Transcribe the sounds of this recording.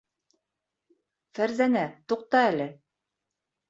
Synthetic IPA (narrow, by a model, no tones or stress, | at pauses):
fæɾzænæt̪uq̚t̪ɑælɘ